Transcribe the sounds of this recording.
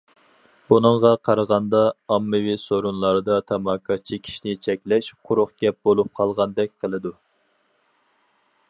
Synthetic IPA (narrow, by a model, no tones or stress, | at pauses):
b̥unɨŋʁɑqʰɑɾəʁɑnd̪ɑːmːɨwisoɾunlˠɑɾɨd̪ɑt̪ʰɑmɑkʰɑt͡ʃʰikʲʰi̥ʃinɪt͡ʃʰɛkʲlɛʃqʰʊɾʊχɡ̥ʲɛp̚bolˠup̚qʰɑlˠʁɑnd̪ɛk̚ʲqʰəlˠɨd̪u